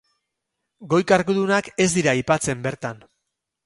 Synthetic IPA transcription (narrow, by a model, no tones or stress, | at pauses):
ɡo̞jkaɾɣuðunake̞zd̪iɾajpat͡se̞mbe̞ɾt̪an